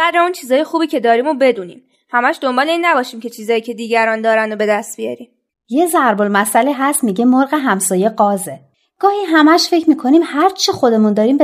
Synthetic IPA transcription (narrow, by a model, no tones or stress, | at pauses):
æd̪ɾeunt͡ʃʰiːzɒːje̞xuːbiːcʰe̞d̪ɒːɾiːmobe̞d̪uːnḭːm | hæmæʃd̪o̞mbɒːle̞iːnːæbɒːʃiːmcʰe̞t͡ʃʰiːzɒːjiːcʰe̞d̪iːɟæɾɒːnd̪ɒːɾænd̪obe̞d̪æst̪̚bijɒ̰ɾiːm | je̞zæɾbolmæsæleɦæst̪miːɟemoɾɣe̞ɦæmsɒːje̞ɢɒːze̞ | ɡ̥ɒːhiːɦæmæʃfe̞cʰmiːkʰo̞niːmhæɾt͡ʃʰixo̞d̪e̞mund̪ɒːɾiːmb